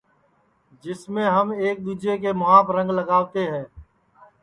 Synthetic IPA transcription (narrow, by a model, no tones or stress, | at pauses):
d͡ʒɪsmẽːɦəmeːk̚d̪uːd͡ʒekeːmʊɦaːpɾə̃ŋɡləɡaːʋt̪eɦɛ̃ː